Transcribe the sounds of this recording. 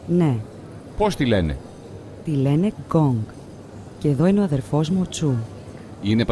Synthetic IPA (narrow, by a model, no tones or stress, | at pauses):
ne̞ | po̞st̪ile̞nḛ | t̪ile̞ne̞ɡo̞ŋɡ | ceeðo̞ineoɐðe̞ɾfo̞zmuot͡su | ine̞p